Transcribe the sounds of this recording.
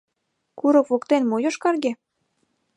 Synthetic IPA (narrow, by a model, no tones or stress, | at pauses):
kuɾokvokt̪enmojoʃkɑrɣe